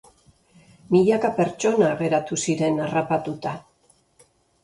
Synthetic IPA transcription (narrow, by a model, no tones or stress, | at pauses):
miʎakape̞ɾt͡ʃo̞naːɣe̞ɾat̪usiɾe̞narapat̪ut̪a